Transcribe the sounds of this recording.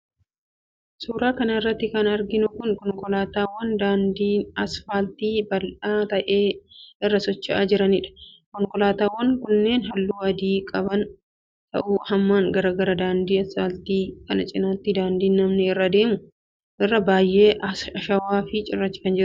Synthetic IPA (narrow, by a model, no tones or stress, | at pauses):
suːɾaːkɐnɐɪrːɐt̪ːɪkɐnɐɾɡɪnʊkʊŋkɔŋkʼɔlaːt̪aːwːɐnd̪aːnd̪iːnɐsfaːlt̪iːbɐlʔaːt̪ɐʔe̞ːɪrːɐsɔt͡ʃːɪʔaːd͡ʒɪɾɐnɪᶑɐ̥kɔŋkɔlaːt̪aːwːɐŋkʊnːe̞ːnɦɐlːuːɐd̪iːkʼɐbɐn | t̪ʰɐ̰ʔuːhɐmːaːŋɡɐɾɐɡɐɾɐd̪aːnd̪iːɐsfaːlt̪iːkɐnɐt͡ʃʼɪnat̪ːɪd̪aːnd̪iːnːɐmnɛɪrːɐd̪e̞ːmʊ | ʔɪrːɐbaːjːʔe̞ːʔɐɐʃɐwaːfɪt͡ʃʼɪrːɐt͡ʃːɪ̥kɐnd͡ʒɪɾ